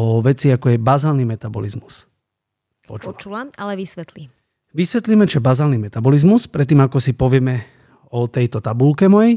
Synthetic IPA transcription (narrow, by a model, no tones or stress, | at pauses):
ɔʋɛt͡siakɔjɛbazaːlnimɛt̪abɔ̰lizmus | pɔ̰t͡ʃuauaalɛʋisʋɛt̪li | ʋisʋɛt̪liːmɛt͡ʃɛbazaːlnimɛt̪abɔlizmuspɾɛt̪̬ːiːmakɔsipɔʋɪɛmɛ | ɔt̪ɛjt̪ɔt̪abulkɛmɔjɛj